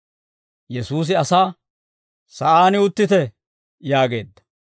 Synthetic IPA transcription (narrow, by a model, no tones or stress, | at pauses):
jɛsuːs̬ɪɐsaː | sɐʔaːnɪʊt̪ːɪt̪ɛ | jaːɡe̞ːd̪ːɐ̥